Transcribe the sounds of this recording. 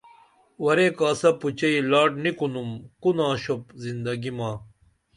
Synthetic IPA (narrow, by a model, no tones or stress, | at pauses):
wɐɾekaːsɐput͡ɕɐilaːʈnikunumkunãːɕopzind̪ɐɡimaː